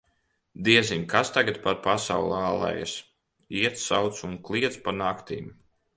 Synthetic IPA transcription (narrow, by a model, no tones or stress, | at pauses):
d̪iɛziɲʲkʰast̪aɡat̪̚paɾpasawlˠaːlˠɛ̰j̰s | iɛt̪ssawt̪sunklˠiɛt̪spanakt̪ḭːm